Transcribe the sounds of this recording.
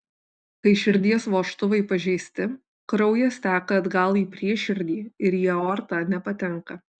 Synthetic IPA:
kɐɪʃʲɪɾʲd̪ʲiɛsʋoːʃt̪ʊʋɐɪpɐʒʲɛɪsʲt̪ʲɪ | kɾɐʊjɛst̪ʲæːkɐɐd̪ɡɐlˠiːpʲɾʲiɛʃʲɪɾʲd̪ʲiːɪɾjiɛoːɾt̪ɑːnʲɛpɐt̪ʲɛŋˑkɐ

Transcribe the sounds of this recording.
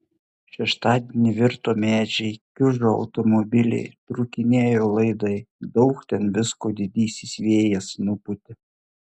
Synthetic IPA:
ʃʲɛʃt̪ɑːd̪ʲenʲiʋʲɪɾt̪oːmʲæːd͡ʒʲɛɪkʲʊʒoːɐ̰ʊt̪ɔmɔbʲɪlʲɛ̰ɪt̪ɾʊkʲɪnʲeːjoːlˠɐɪd̪ɐɪd̪ɒʊkt̪ʲɛnʋʲɪskoːd̪ʲɪd̪ʲiːsʲisʲʋʲeːjɛsnupʊt̪ʲɪ

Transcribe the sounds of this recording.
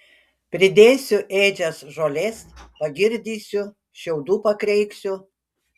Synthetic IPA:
pʲɾʲɪd̪ʲeːsʲʊʔeːd͡ʒʲɛsʒoːlʲeːsʲpɐɡʲɪɾʲd̪ʲiːsʲʊ | ʃʲɛʊd̪uːpɐkɾʲɛɪksʲʊ

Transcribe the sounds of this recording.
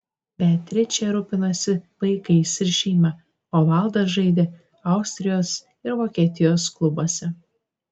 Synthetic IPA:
bʲæːt̪ʲɾʲɪt͡ʃʲɛɾʊpʲɪnɐsʲɪʋɐɪkɐɪsɪɾʲʃʲiːmʲɐ | oːʋɐlˠd̪ɐʒɐɪd̪ʲe | ɐʊsʲt̪ʲɾʲɪjoːs | ɪɾʋoːkʲiɛt̪ʲɪjoːsklˠʊboɔsʲɛ

